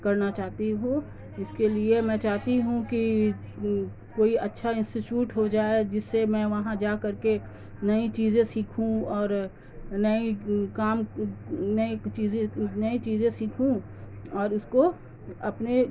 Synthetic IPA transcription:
kɐɾnat͡ʃaːɦt̪iɦũ | ɪskeliemɛ̃ːt͡ʃaːɦt̪iɦũki | koːiɐtːʃʰaɪ̃nsɪt͡ʃjuːʈɦod͡ʒaːed͡ʒɪsːemɛ̃ʋɐɦãd͡ʒaːkɐɾke | nɐĩt͡ʃiːzẽsiːkʰũɔːɾ | nɐikaːm | nɐit͡ʃiːzẽnɐit͡ʃiːzẽsiːkʰũ | ɔːɾʊsko | ɐpne

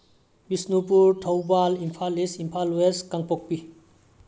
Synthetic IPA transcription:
bisnupuɾtʰowbalimpʰalisimpʰalweskaŋpok̚pi

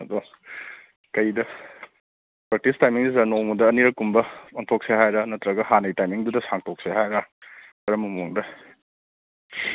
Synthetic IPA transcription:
ɐdo | kɐjdɐ | pɾak̚tistajmiŋdizɐnomudɐːniɾɐkumbɐoŋtʰok̚seɦajɾɐnɐtɾɐɡɐɦanɐjtajmiŋdudɐsaŋtʰok̚seɦajɾɐ | bɐɾɐmɐmuŋdɐ

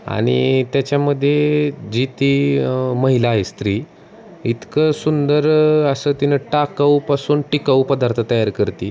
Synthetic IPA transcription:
a̰ɽ̃ḭt̪jat͡ɕjaməd̪ʱːjed͡ʑit̪iməɦilaɦest̪ɾiː | it̪kəsund̪əɾəsət̪inəʈakawpasuːnʈikawpəd̪aɾt̪ʰət̪əjaɾkəɾt̪iː

